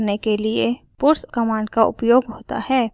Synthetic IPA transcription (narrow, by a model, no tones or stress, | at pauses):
nekelɪe | pʊɾskəmãːɳɖkaʊ̰pjoːɡɦoːt̪a̰ɦɛː